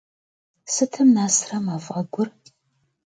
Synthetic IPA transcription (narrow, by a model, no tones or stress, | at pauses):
sɨtʰɨmnaːsrɐmaːfʼɐɡʷʊr